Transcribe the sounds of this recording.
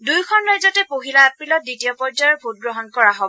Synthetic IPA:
dujkʰɔnɹajzɔtɛpoɦilaapɹilɔt̚ditijɔpɔɹd͡ʒajɔɹbʱut̚ɡɹɔɦɔnkɔɹaɦobɔ

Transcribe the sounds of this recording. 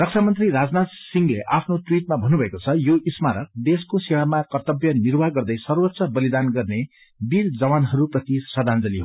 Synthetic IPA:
rʌk̚sʰamʌnt̪riɾad͡znat̪siŋɡleʔapʰnoʈwiʈ̚mabʱʌnːubʱʌekot͡sʰʌjoismaɾʌk̚d̪eskosewamakʌrt̪ʌbjʌnirbaɡʌrd̪ʌjsʌrwʌt̪ːsʌbʌlid̪anɡʌrne | bild͡zʌwanɦʌɾuprʌt̪isʌd̪ʱand͡zʌliɦo

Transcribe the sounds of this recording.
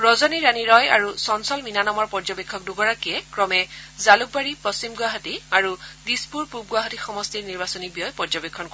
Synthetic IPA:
ɹɔzɔniɹaniɹɔjaɹusɔnsɔlminanɔmɔɹpɔɹd͡ʒɔbekʰːɔk̚duɡɔɹakijɛkɹɔmɛzaluk̚baɹipɔst͡ʃimɡʊaɦɔtiaɹudispuɹpub̚ɡuaɦɔtixɔmɔstiɹniɹbasɔnibijɔjpɔɹd͡ʒɔbekʰːɔnkɔ

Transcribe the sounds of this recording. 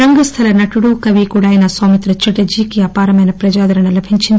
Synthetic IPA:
ɾɐŋɡɐst̪ʰɐlɐnɐʈuɽukɐʋikuɽaːjɐnɐsaːmit̪ɾɐt͡ʃɐʈːɐd͡ʒiːkijapaːɾɐmeːnɐpɾɐd͡ʒaːd̪ɐɾɐnɐlɐbʱiɲt͡ʃind̪

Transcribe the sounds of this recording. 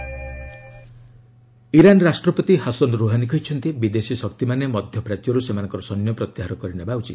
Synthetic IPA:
iɾanɾasʈɾɔpɔt̪iɦasɔnɾuɦanikʰɔjt͡ʃʰɔnt̪ibid̪esisɔkt̪imanemɔd̪ʱjɔpɾat̪jɔɾusemanɔŋkɔɾɔsɔnjɔpɾɔt̪iɦaɾɔkɔɾinebawt͡ʃʰi

